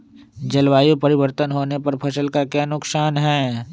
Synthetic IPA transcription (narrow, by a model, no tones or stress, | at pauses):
d͡ʒɐlwaːjopɐɾɪʋəɾt̪ənɦoːnepɐɾpʰɐsəlkakjaːnʊksaːnɦɛ̃ː